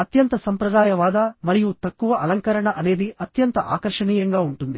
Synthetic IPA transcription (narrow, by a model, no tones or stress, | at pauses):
ɐt̪jɐnt̪ɐsɐmpɾɐd̪aːjɐʋaːd̪ɐmɐɾijut̪ɐkːuʋɐʔɐlɐŋkɐɾɐɳɐʔɐne̞ːd̪iʔɐt̪jɐnt̪ɐʔa̰ːkɐɾʂɐɳiːjɐŋɡaːuɳʈund̪i